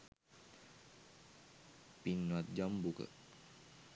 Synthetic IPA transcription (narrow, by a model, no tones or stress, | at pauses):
pinːwat̪̚d͡ʒambukə̰